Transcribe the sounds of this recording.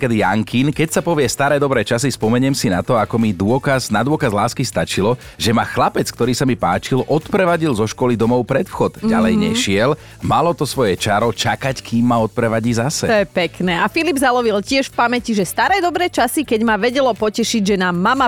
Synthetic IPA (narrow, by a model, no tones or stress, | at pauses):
kɛd̪ja̰ŋkinkɛcsapɔʋɪɛst̪aɾɛːd̪ɔbɾɛːt͡ʃasispɔmɛɲɛmsina̰t̪ɔakɔmid̪ʊɔkaznad̪ʊɔkazlaːskist̪at͡ʃilɔ | ʒɛmaxlapɛt͡skt̪ɔɾiːsamipaːt͡ʃilʔɔt̪pɾɛʋaɟilzɔʃkɔlid̪ɔmɔʊpɾɛt̪fxɔd̪ɟalɛjɲɛ̰ʃɪɛl | malɔt̪ɔsʋɔjɛt͡ʃaɾɔt͡ʃakackʰiːmːaɔt̪̚pɾɛʋaɟiːzasɛt̪ɔjɛpɛknɛːafilibzalɔʋilcɪɛʃfpamɛciʒɛst̪aɾɛːd̪ɔbɾɛːt͡ʃasikɛɟmaʋɛɟɛlɔpɔcɛʃiɟʒɛnaːmːama